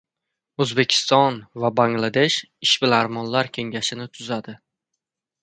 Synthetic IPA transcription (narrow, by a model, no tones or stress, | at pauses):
ɵzbe̞kʲʰɪ̥st̪ɒnvabaŋlˠad̪e̞ʃ | ɪʃbɪlaɾmɒnlaɾkʲʰe̞ŋɡʲaʃɪnɪt̪ʰʊzad̪ɪ